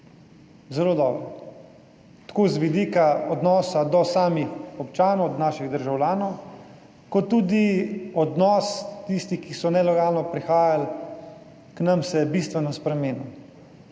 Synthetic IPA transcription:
zɛloːd̪ɔːbɾɔ | t̪ḁkozʋid̪ikaɔd̪nɔːsad̪ɔsaːmixɔpt͡ʃaːnɔwd̪naːʃiɣd̪əɾʒawlʲjaːnɔw | kɔt̪ːuːd̪iɔd̪nɔst̪ist̪ixkisɔnɛlɛɡaːlnɔpɾixaːjal | knamsɛjɛbist̪ʋɛnɔspɾɛmeːnu

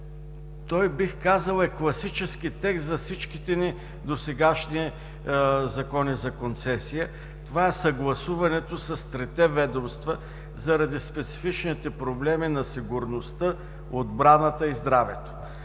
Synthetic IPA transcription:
t̪ɔjbixkazəlˠɛklˠɐsit͡ʃɛskit̪ɛkszɐfsit͡ʃkit̪ɛni | d̪osɛɡaʃniɛ | zɐkɔnizɐkont̪sɛsijə | t̪ovaɛsɐɡlˠɐsuvɐnɛt̪osɐst̪ɾɛt̪ɛvɛd̪omst̪və | zɐɾɐd̪ispɛt̪si̥fit͡ʃnit̪ɛpɾoblɛminɐsiɡʊɾnost̪ə | od̪̚bɾanət̪əizd̪ɾavɛt̪o̥

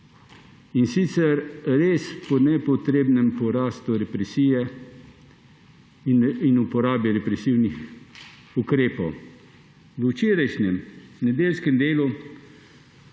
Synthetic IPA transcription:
insit̪sɛɾɾeːspɔnɛpɔt̪ɾeːbnɛmpɔɾaːst̪uɾɛpɾɛsiːjɛ | inupɔɾaːbiɾɛpɾɛsiwnix | ukɾeːpɔw | ʋət͡ʃeːɾajʃnɛmnɛd̪eːlskɛmd̪eːlu

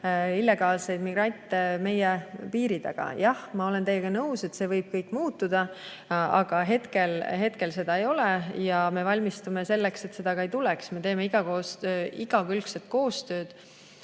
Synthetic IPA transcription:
ilːe̞ɡ̥ɑːlse̞jd̪̥miɡrɑnʲt̪ˑːeme̞jeɛpiːɾid̪̥ɑ̰ɡ̥ɑ̰jɑhmɑole̞nt̪e̞jːeɡ̥ɑnɤwse̞t̪se̞ːvɤjb̥̚kɤjkːˑmuːt̪ːud̪̥ɑ | ɑɡ̥ɑɦe̞t̪ke̞lɦe̞t̪ke̞lse̞d̪̥ɑe̞jo̞lejɑme̞vɑlʲmist̪umese̞lːekse̞t̪ːse̞d̪ɑɡɑejt̪uleksme̞t̪e̞ːme̞iɡ̥ɑkoːsiɡ̥ɑkylkset̪̚ko̞ːst̪øːd̪̥

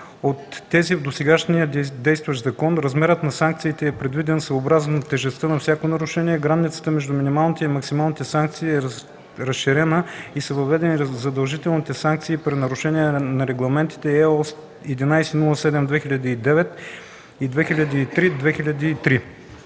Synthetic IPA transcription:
ot̪ːɛzivd̪osɛɡaʃnijəd̪ɛjst̪vɐʃzɐkɔnɾɐzmɛɾət̪nɐsaŋk̚t̪siːt̪ɛːpɾɛd̪vid̪ɛnsəobɾazənɐt̪ɛʒɛst̪ənɐfsʲjakonɐɾʊʃɛniɛɡɾanit̪sə̥t̪əmɛʒd̪ʊminimalˠnit̪ɛimɐksimalˠnit̪ɛsaŋk̚t̪siːɛ | ɾɐsʃiɾɛnəisəvɐvɛd̪ɛnizɐd̪ɐlˠʒit̪ɛlˠnit̪ɛsaŋk̚t̪siːpɾinɐɾʊʃɛniɛnɐɾɛɡlˠɐmɛnt̪i̥t̪ɛɛɔs | ɛd̪inajsɛnulˠəsɛd̪ɛmd̪vɛxilʲɐd̪iːd̪ɛvɛt̪ | id̪vɛxilʲəd̪iːt̪ɾid̪vɛxiʎʲɐd̪iːt̪ɾi

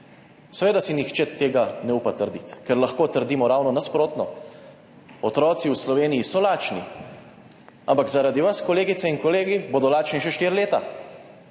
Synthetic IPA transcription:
sɛʋeːd̪asinixt͡ʃɛt̪eːɡanɛupat̪əɾd̪it̪kɛɾlaxkoːt̪əɾd̪iːmɔɾaːwnɔnaspɾoːt̪nɔ | ɔt̪ɾɔːt̪siwslɔʋeːnijisɔlaːt͡ʃni | ampakzaɾad̪iʋaskɔleːɡit̪sɛinkɔleːɡiboːd̪ɔlaːt͡ʃniʃɛʃt̪iːɾleːt̪a

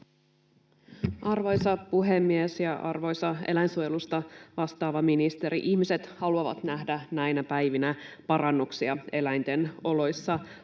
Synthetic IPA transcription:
ʔɑrʋo̞jsɑpuɦe̞mːiesjɑʔɑrʋo̞jsɑe̞̰læjnsuojelust̪ɑʋɑst̪ɑːʋɑminist̪e̞ɾiʔiçmise̞t̪hɑluɑʋɑ̰t̪næɦdænæjnæpæjʋinæpɑɾɑnːuksiɑe̞læjnt̪e̞no̞lo̞jsːɑ

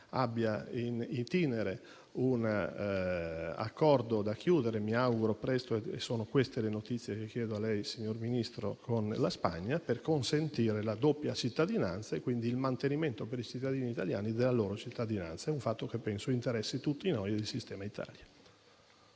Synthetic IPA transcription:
abːjainit̪ineɾe | un | a̰kːɔrd̪od̪ak̟ːjuːd̪eɾemiawɡuɾopɾɛst̪oḛsːoːnokwest̪elenot̪it̪sːjekekːjɛːd̪oalɛjsiɲːorminist̪ɾokʰonlaspa̰ɲːaperkonsent̪iːɾelad̪opːjat͡ʃit̪ːad̪ina̰nt̪saekwind̪iːlmant̪eniment̪opeɾit͡ʃit̪ːad̪iːniːt̪alja̰ːnid̪elːaloːɾot͡ʃit̪ːad̪ina̰nt̪saɛuɱfat̪ːokepːɛnsoint̪eɾɛsːit̪ut̪ːinojd̪elsist̪ɛːmait̪ʰa̰ːlja

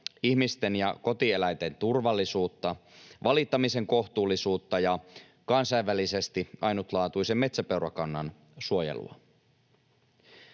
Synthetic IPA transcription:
ihmist̪e̞njɑ̰ko̞t̪ie̞læjt̪e̞nt̪urʋɑlːisuːt̪ːɑʋɑlit̪ːɑmise̞ŋko̞ht̪uːlːˑisuːt̪ːɑjɑ | kɑnsɑjʋːælise̞st̪iʔɑjnut̪lɑːt̪uise̞mme̞t̪sæpewɾɑkɑnːɑ̰n | suo̞jḛlṵɑ̰

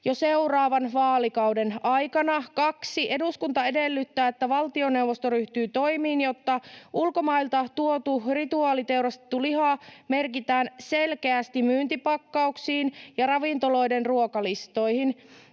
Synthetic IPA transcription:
joseurɑːʋɑnʋɑːlikɑudenɑjkɑnɑkɑksiʔe̞duskunt̪ɑe̞delːyt̪ːæːet̪ːæʋɑlt̪io̞ne̞uwʋːost̪oɾyht̪yːt̪o̞imiːnjot̪ːɑʔulko̞mɑilt̪ɑt̪uot̪urit̪uɑːlit̪e̞uɾɑst̪et̪ːulihɑːmerkit̪æːnse̞lkeæst̪imyːnt̪ipɑkːɑuksiːnjɑrɑʋint̪olo̞idenruokɑlist̪o̞ihin

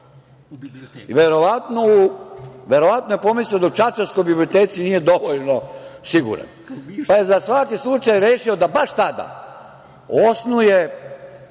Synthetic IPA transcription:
iʋeɾo̞ʋat̪nouʋe̞ɾoʋat̪noje̞po̞misliod̪aut͡ʃat͡ʃanskojbiblio̞t̪eːt̪sinije̞d̪o̞ʋoʎnosiɡṵɾa̰n | paje̞zasʋakislˠut͡ʃajɾeːʃiod̪abaʃt̪ad̪a̰ | osnuje

